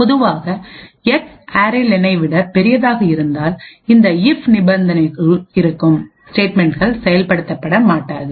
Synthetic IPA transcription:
pɔðɯʋaːɣɐɛksaːɾelɪnɐɪʋɪɽɐpɛɾɪjɐðaːɣɐɪɾɯnd̪aːlɪnd̪ɐɪfnɪbɐnd̪ɐnɐɪɣɐɭɪɾɯkːɯm | sʈeːʈmɛɳʈɣɐɭsɛjɐlpɐɽɯt̪ːɐpːɐɽɐmaːʈːaːðɯ

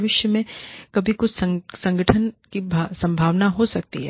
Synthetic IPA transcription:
ʋɪʃjəmẽkɐbʱikʊt͡ʃʰssɐ̃ŋɡʱəʈʰənkibʱasɐ̃mbʱaːʋnaɦosɐk̚t̪iɦɛː

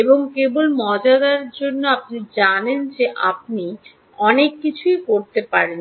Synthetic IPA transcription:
eboŋkebolmɔd͡ʑad̪aɾd͡ʑonːoapnid͡ʑanend͡ʑeʔa̰p̚ni | ɔnekːit͡ɕʰujkoɾt̪epaɾen

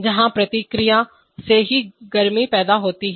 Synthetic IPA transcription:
d͡ʒɪɦãːpɾət̪iːkɾijãː | seːɦiːɡəɾmiːpɛːd̪aːɦoːt̪iːɦ

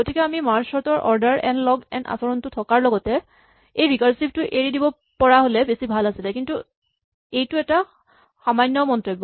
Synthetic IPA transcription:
ɡotikɛamimaɹsɔtɔɹʔɔ̰ɹdaɹɛ̰nlɔɡɛ̰na̰sɔɹɔntʊtʰɔkaɹlɔɡɔtɛ | ejɹikaɹsip̚tʊʔeɹidibɔ | pɔɹaɦolɛbesibʱalasilɛkintu | ejtʊɛta | xamajnːɔmɔntɹebːɔ

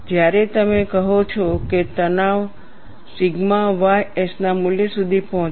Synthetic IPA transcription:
d͡ʒjaɾɛt̪əmekəɦot͡ʃʰɔket̪ənaʋ | sɪɡmaʋajesnamuljesud̪ʱipɔɦɔ̃

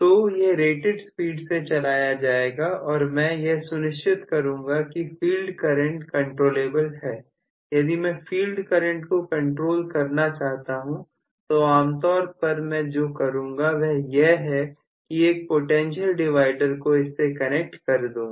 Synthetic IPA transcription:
t̪oːjeɾeːʈɪɖspiːɖset͡ʃɐlaːjad͡ʒaːeːɡaɔːɾmɛ̃jeɦsʊnɪʃt͡ʃɪt̪kɐɾũːŋɡakifiːlɖkɐɾə̃ɳʈkɐ̃ɳʈɾoːleːbəlɦɛː | jɐd̪imɛ̃fiːlɖkɐɾə̃ɳʈkokɐ̃ɳʈɾoːlkɐɾnat͡ʃaːɦt̪aɦũ | t̪oaːmt̪ɔːɾpɐɾmɛ̃d͡ʒoːkɐɾũːŋɡaʋɛɦjeɦɦɛ | kieːk̚poʈɛ̃ːnʃəlɖɪʋaːɪɖəɾkoɪsːekɐnek̚ʈkɐɾd̪oː

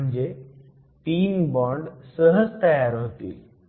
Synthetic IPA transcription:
ɲd͡ʑe | t̪iːmbɔ̃ːɳɖsəɦəzt̪ɐjaːɾɦot̪ḭː

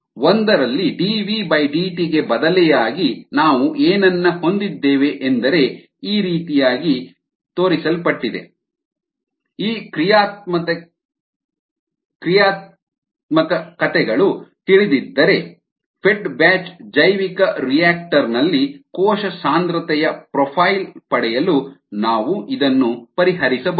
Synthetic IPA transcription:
ond̪ɐɾɐlːiɖiːʋibɐjɖiːʈiɡe̞bɐd̪ɐlɛjaːɡinaːʋuʔeːnɐnːɐho̞nd̪id̪ːɛːʋe̞ʔend̪ɐɾe̞ | iːɾiːt̪ijaːɡi | t̪oːɾisɐlpɐʈːid̪e̞̰ | iːkɾijaːt̪̚mɐt̪ | kɾijaːt̪ | mɐkɐkɐt̪ɛɡɐɭut̪iɭid̪id̪ːɐɾe̞ | pʰeʈbaːt͡ʃd͡ʒɐjʋikɐɾijaːk̚ʈɐɾnɐlːikɔːʃɐsaːnd̪ɾɐt̪ɛjɐpɾɔpʰaːjlpɐɽɛjɐlunaːʋuʔid̪ɐnːupɐɾiɦɐɾisɐb

